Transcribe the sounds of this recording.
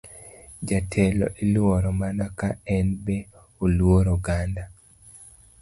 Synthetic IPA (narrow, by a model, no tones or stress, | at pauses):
d͡ʒatʰɛlɔ̰ʔilwoɾɔmanakaɛnbɛ | olwoɾoɡanda